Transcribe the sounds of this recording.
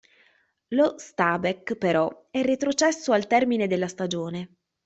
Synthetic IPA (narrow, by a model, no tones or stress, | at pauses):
lost̪aːbekpeɾɔ | ɛrːet̪ɾot͡ʃɛsːoalt̪ɛrmined̪elːast̪ad͡ʒoːne